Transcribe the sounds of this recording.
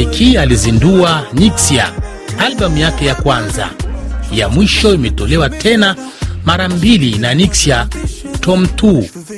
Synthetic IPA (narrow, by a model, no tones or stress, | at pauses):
ikʰializinduaniksia̰ | alɓam̩jakɛjakwanza̰ja̰mwiʃɔimɛtɔlɛwatʰɛna | maɾambilinaniksiatʰɔm̩tu